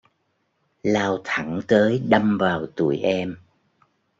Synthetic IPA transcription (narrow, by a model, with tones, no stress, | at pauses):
laː˧wt̪ʰa˧˩ŋt̪əː˨˦jɗa˧mvaː˨˩wt̪ṵ˧˩əjʔɛ˧m